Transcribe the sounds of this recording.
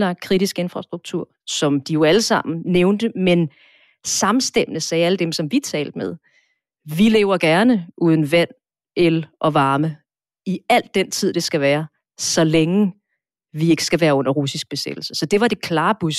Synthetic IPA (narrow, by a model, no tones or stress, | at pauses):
lɑ̈ɡ̥̚kʰʁiɾisɡ̥e̝nfʁɑ̈sd̥ʁuɡ̥̚t͡sʰuɐ̰sɒ̽md̥ijo̝æləsɑ̈m̰n̩neʊnd̥əmen | sɑ̈msd̥em̰nəsɛːæləd̥emsɒ̽mʋit͡sʰɛ̰ːld̥əmeðˠ | ʋile̝̰ːʊɐɡ̥æɐnəʔuːð̞ˠn̩ʋæn̰ | elʔɒ̽ʋɑ̈ːmə | iæl̰d̥ːent͡sʰið̞̰ˠd̥e̝sɡ̥æʋæːɐ | sɒ̽leŋə | ʋie̝ɡ̥ə̥sɡ̥æʋæːɐɔ̽n̰ɐʁusisɡ̥̚b̥e̝sḛd̥l̩sə̥sɒ̽d̥e̝ʋɑ̈d̥e̝kʰlɑ̈ːb̥us